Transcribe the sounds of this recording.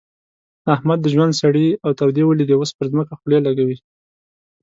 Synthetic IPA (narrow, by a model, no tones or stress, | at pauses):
ahmad̪ːəʒwand̪saɽiawt̪awd̪ewəlid̪ewəspəɾzməkaxlelaɡawi